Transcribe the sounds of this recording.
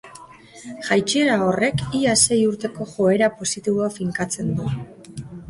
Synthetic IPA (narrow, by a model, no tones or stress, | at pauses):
ʝajt͡ʃie̞ɾao̞re̞kiase̞juɾt̪e̞ko̞ʝo̞e̞ɾapo̞sit̪iβoafiŋkat͡se̞nd̪u